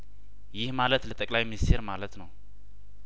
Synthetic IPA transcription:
jɪhmalət̪lət̪ʼəkʼlajminist̪ʰeɾmalət̪nəw

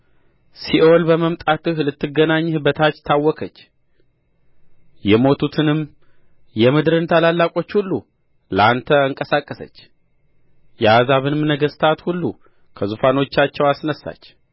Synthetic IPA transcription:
siʔo̞lbəməmt̪ʼat̪ɨhlɨt̪ːɨɡːənaɲːhɨbət̪ʰat͡ʃːt̪ʰawːɔkʰət͡ʃː | jɛmo̞t̪ʰut̪ʰɨnɨm | jɛmɨd̪ɾɨnt̪ʰalalːakʼo̞t͡ʃːhulːu | ləant̪ʰəɨŋkʼəsakʼːəsə̰t͡ʃː | jɛazaβɨnɨmnəɡəst̪ʰat̪hulːṵ | kʰəzufano̞t͡ʃːat͡ʃːɛwasnəsːa̰t͡ʃː

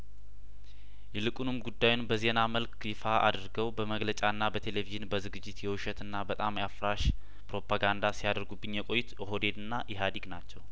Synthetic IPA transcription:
jɛlɨkʼunɨmɡud̪ːajunbəzenaməlkjɪfaʔa̰d̪ɾɡəwbəməɡlət͡ʃʼanːabət̪ʰe̞le̞viʒɨnbəzɨɡɨd͡ʒːɪt̪jɛwuʃət̪ɨnːabət̪ʼamjafɾaʃ | pɾo̞pʰaɡand̪asijad̪əɾɡubːɨɲjɛkʼo̞jːɪt̪jɛɦo̞d̪e̞d̪ɨnːaʔɛɦad̪iɡnat͡ʃːɛw

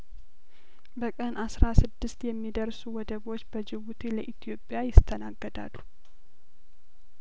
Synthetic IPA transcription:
bəkʼənʔasɾasɨd̪ːɨst̪jɛmːid̪əɾsuwɔd̪əɡo̞t͡ʃːbəd͡ʒɪβut̪ʰeləʔit̪ʰijo̞pʼːjajɪst̪ʰːənaɡːəd̪a̰lːu

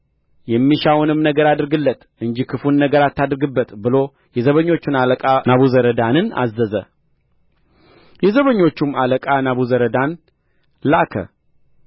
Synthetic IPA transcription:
jɛmːiʃawnɨmnəɡəɾad̪ɨɾɡɨlːət̪ʔɨɲd͡ʒikʰɨfunːəɡəɾat̪ːad̪ɨɾɨɡɨbːət̪bɨlo̞ | jɛzəβəɲːo̞t͡ʃːunaləkʼanaβuzəɾəd̪anɨna̰zːəzə̰ | jɛzəβəɲːo̞t͡ʃːumaləkʼanaβuzəɾəd̪an | lakʰə̰

